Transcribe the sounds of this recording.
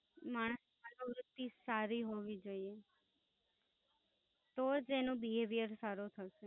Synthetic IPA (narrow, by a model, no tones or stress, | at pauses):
maɳ̃əsmãdoɾut̪ːisaɾiɦoʋid͡ʒoie | t̪od͡ʒenõbiɦeʋijəɾsaɾut̪ʰəʃe